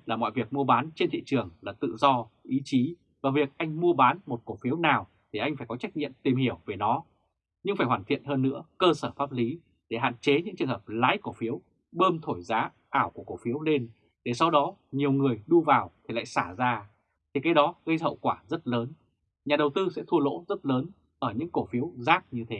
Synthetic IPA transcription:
laː˨˩mɔ̰˧˨jvi˨˩ək̚mu˧əɓaː˨˦nt͡ɕe˧nt̪ʰḭ˧˨t͡ɕɨ˨˩əŋlaː˨˩t̪ɨ̰˧˨zɔ˧ʔi˨˦t͡ɕi˨˦ | vaː˨˩vi˨˩ə˩k̚ʔa˧jŋ̟mu˧əɓaː˨˦nmo˨˩t̚ko˧˩fi˨˦əwnaː˨˩w | t̪ʰi˨˩ʔa˧ŋ̟faː˧˩jkɔ˨˦t͡ɕa˦˥k̚ɲḭ˧əmt̪i˨˩mhi˧˩əwve˨˩nɔ˨˦ | ɲɨ˧ŋfaː˧˩jhwaː˧˩nt̪ʰḭ˧˨ənɦəː˧nːɨ̰˧˥əkəː˧səː˧˩faː˦˥p̚li˨˦ | ɗe˧˩ɦa̰ː˧˨nt͡ɕe˨˦ɲɨ̰˧˥ŋt͡ɕɨ˨˩əŋɦə˨˩p̚la̰ː˨˥jko˧˩fi˨˦əw | ɓəː˧mt̪ʰo˧˩jzaː˨˦ | ʔaː˧˩wku˧˩ə˩ko˧˩fi˨˦əwle˧n | ɗe˧˩sa˧wɗɔ˨˦ɲi˨˩əwŋɨ˨˩əjɗu˧vaː˨˩wt̪ʰi˨˩la̰ː˧˨jsaː˧˩zaː˧ | t̪ʰi˨˩kaː˨˦jɗɔ˨˦ɣə˧jɦə̰˧˨wkwaː˧˩zə˦˥t̚ləː˨˦n | ɲaː˨˩ɗə˨˩wt̪ɨ˧sɛ̰˧˥t̪ʰu˧əlo̰˧˥zə˦˥t̚ləː˨˦n | ʔəː˧˩ɲɨ̰˧˥ŋko˧˩fi˨˦əwzaː˦˥k̚ɲɨ˧t̪ʰe˨˦

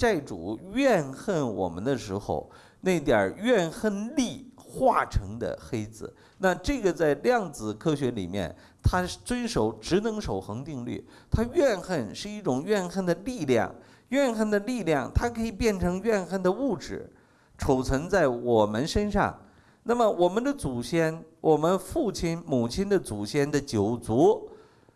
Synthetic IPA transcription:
a˥˩ɪʈ͡ʂṵ˨˩˦ɥɛ˥˧nxə˥˩nwɔ̰˨˩mə̰˦nd̪ə˧ʂɻ̩˧˥xo̰˥˧ʊ | na˥˩ɪt̪jə̰˞˨˩ɥɛ˥˧nxə˥˧nli˥˧xwa˥˩ʈ͡ʂʰɤ˧˥ŋd̪ə̰˧xe˥ɪd͡zɹ̩˨˩˦ | na˥˧ʈ͡ʂɤ˥˩ɡə˩t͡sa˥˧ɪljɑ˥˩ŋd͡zɹ̩˨˩kʰɤ˥ɕɥɛ˧˥lḭ˨˩mjɛ̰˥˩n | t̪ʰa˥t͡swə˥nʂo˨˧˩ʊʈ͡ʂɻ̩˧˥nɤ˧˥ŋʂo˨˩ʊxɤ˧˥ŋt̪i˥˧ŋly̰˥˩ | t̪ʰa˥ɥɛ˥˧nxə˥˧nʂɻ̩˥˧i˥˩ʈ͡ʂʊ˨˩ŋɥɛ˥˧nxə˥˩nd̪ə˩li˥˧ljɑ̰˥˩ŋ | ɥɛ˥˧nxə˥˩nd̪ə˩li˥˧ljɑ˥˩ŋt̪ʰa˥kʰɤ˧˥i˨˩pjɛ˥˩nʈ͡ʂʰɤ˧˥ŋɥɛ˥˧nxə˥˩nd̪ə˩u˥˩ʈ͡ʂɻ̩˨˩˦ | ʈ͡ʂʰo˨˩ʊt͡sʰwə˧˥ŋt͡sa˥˩ɪwɔ˨˩mə˦nʂə˥nʂɑ̰˥˩ŋ | na˥˩mə˩wɔ˨˩mə˦nd̪ə˧t͡su˨˩ɕjɛ˥nwʔɔ˨˩mə˦nfu˥˩t͡ɕʰi˥nmu˨˩t͡ɕʰi˥nd̪ə˧˨t͡su˨˩ɕjɛ˥˩nd̪ə˨t͡ɕjo˨˩ʊt͡su˧˥

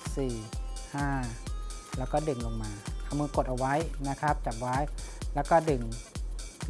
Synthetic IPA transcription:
siː˨˩hãː˧˥˩ | lɛː˧˩wkɔː˧˩dɯ˨˩ŋlo˧˩ŋmaː˧kʰa˧˩mɯː˧˨ko˧˩t̪̚ʔa˧wa˦˥˨jna˦˧˥kʰa˦˥p̚t͡ɕa˨˩p̚wa˦˥˨jlɛː˧˥˩wkɔː˧˩dɯ˨˩ŋ

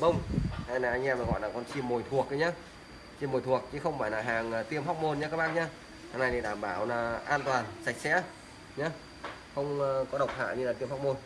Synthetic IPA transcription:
ɓə˧wŋ͡ma˧˩jnaː˨˩ʔa˧jŋʔɛː˧maː˨˩ɣɔ̰˧˨jlaː˨˩kɔ˧˩nt͡ɕi˧mːo˨˩jt̪ʰu˨˩ək̚ʔə˨˦jɲaː˧ | t͡ɕi˧˩mːo˨˩t̪ʰu˨˩ək̚t͡ɕɨ˨˦xə˧wŋ͡mfaː˧˨jlaː˨˩ɦaː˨˩ŋː˨˩t̪i˧əmɦɔ˦˥wk͡p̚mo˧nɲaː˧kaː˦˥k̚ɓaː˧ɲaː˧ | haː˨na˧jt̪i˨˩ɗaː˧˩mɓaː˧˩wlaː˨˩ʔaː˧nt̪waː˨˩nsa˧˩jk̚sɛ̰˧˥ | ɲa˨˧ | xə˧wŋ͡mkɔ˨˦ɗə˨˩wk͡p̚ha̰ː˧˨ɲɨ˧laː˨˩t̪i˧əmhwk͡p̚mo˧n

